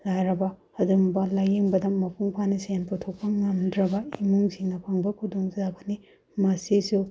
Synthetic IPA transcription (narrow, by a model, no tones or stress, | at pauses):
lajɾɐbɐ | ɐdumbɐlajiŋbɐdɐmɐpʰuŋpʰanisjanputʰok̚pɐŋɐmdɾɐbɐimuŋziŋnɐpʰɐŋbɐkʰudoŋzabɐni | mɐsisu